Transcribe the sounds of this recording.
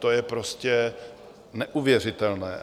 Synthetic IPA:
t̪ojɛpɾoscɛ | nɛʔuvjɛr̝ɪt̪ɛlnɛ̰ː

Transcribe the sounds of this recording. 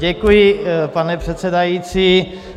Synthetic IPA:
ɛkujɪpanɛpr̝̥ɛt̪sɛdajiːt͡siː

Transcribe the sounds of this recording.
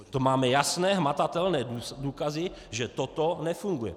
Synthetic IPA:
t̪omaːmɛjasnɛːɦmat̪at̪ɛlnɛːuduːkazɪ | ʒɛt̪ot̪onɛfuŋɡujɛ̰

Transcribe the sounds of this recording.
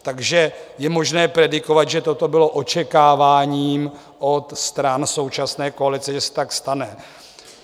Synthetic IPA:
t̪aɡʒɛjɛmo̞ʒnɛːpɾɛdɪko̞vat̪ʒɛt̪o̞t̪o̞bɪlo̞ʔo̞t͡ʃɛkaːvaːɲiːm | ʔo̞t̪st̪ɾanso̞wt͡ʃasnɛːko̞alɪt͡sɛʒɛsɛ̥t̪akst̪anɛ

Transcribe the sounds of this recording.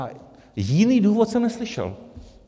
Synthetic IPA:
jɪniːduːvot̪sɛmnɛslɪʃɛ̰l

